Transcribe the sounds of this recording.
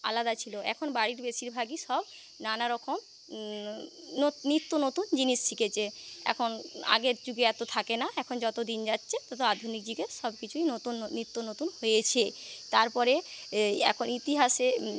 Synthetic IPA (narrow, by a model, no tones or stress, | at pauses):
a̰lad̪at͡ɕʰiloʔɛ̰kʰonbaɽiɾbeʃiɾbʱaɡiʃɔb | nanaɾɔkom | onit̪ːonot̪und͡ʑiniʃt͡ɕʰiket͡ɕʰeɛ̰kʰona̰ɡeɾd͡ʑuɡeɛt̪ot̪ʰakenaɛkʰond͡ʑɔt̪od̪ind͡ʑat̪ːɕʰet̪ɔt̪oad̪ʱunik̚d͡ʑiɡeɾʃɔbkit͡ɕʰuinot̪unːit̪ːonot̪unhojet͡ɕʰet̪aɾpɔɾeɛ̰kʰonit̪iɦaʃe